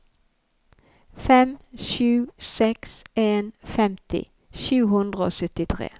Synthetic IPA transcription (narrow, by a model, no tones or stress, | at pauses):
fɛmʃʉːsɛkseːnfɛmt̪ʰɪ̰ | ʃʉːɦʉnd̪ʁəo̰ːsœt̪ɪt̪ʰʁḛː